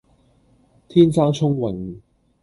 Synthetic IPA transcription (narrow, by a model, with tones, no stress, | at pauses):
t̪ʰiː˥nsaː˥ŋt͡ʃʰʊ˥ŋwɪ˨˩ŋ